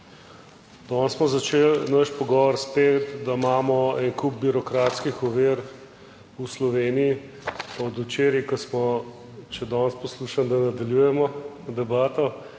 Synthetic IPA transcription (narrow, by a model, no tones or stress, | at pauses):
d̪̥ɔnsmɔzɐt͡ʃelnəʃpɔɡɔʋɔɾspeːt̪d̪amaːmɔɛnkub̚biɾɔkɾaːt̪skixɔʋeɾ | uslɔʋeːnii | pɔd̪ut͡ʃeːɾikɔsmɔ | t͡ʃɛd̪ɔnspɔsluːʃand̪anad̪ɐljujɛmɔ | d̪ɛbaːt̪ɔ